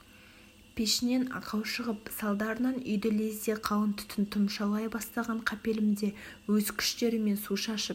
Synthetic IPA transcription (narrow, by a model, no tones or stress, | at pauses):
pʰeʃɪne̞nɑ̰qʰɑwʃəʁəpsɑlˠd̪ɑɾənɑnʏ̰jd̪ɪleseqʰɑwˠənt̪ʰʏ̥t̪ʰɪnt̪ʰʊmʃɑlˠɑjbɑst̪ɑʁɑɴqʰɑpe̞lɪmd̪e̞wɵzkʲʰʏ̥ʃt̪e̞ɾɪme̞nsuʃɑʃəp